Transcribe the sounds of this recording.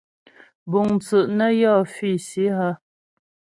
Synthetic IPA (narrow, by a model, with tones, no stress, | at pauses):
bu˨ŋt͡sə˨ʔnə˦jɔ˦˨fi˦˨si˨˦ɦə˦